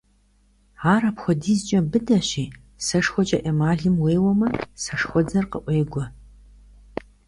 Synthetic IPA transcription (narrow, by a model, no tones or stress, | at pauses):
aːɾapxʷɔdiːzt͡ʃʼɐbɨdɐɕiː | sɐʂxʷɔt͡ʃʼɐʔɐmaːɮɨmweːwɔmɐsɐʂxʷɔd͡zɐrqəʔʷeːɡʷɔ